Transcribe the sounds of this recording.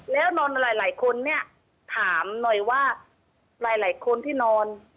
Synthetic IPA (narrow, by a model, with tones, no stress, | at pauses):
lɛː˦˥wnɔː˧nɾaː˩˦jlaː˩˦jkʰo˧nːi˥˩ɐ | t̪ʰaː˩˦mnɔ˨˩jwaː˥˩ | ɾaː˨˩˦jlaː˨˩˦jkʰo˧nt̪ʰiː˥˩nɔː˧n